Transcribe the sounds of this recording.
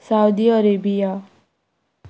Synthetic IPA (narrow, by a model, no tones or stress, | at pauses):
sawd̪iʌɾebija